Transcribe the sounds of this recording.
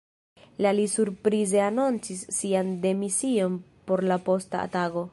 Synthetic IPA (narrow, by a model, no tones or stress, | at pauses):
lalisuɾpɾize̞anont͡sisːiande̞misio̞npo̞ɾlapo̞sta̰a̰taɡo̞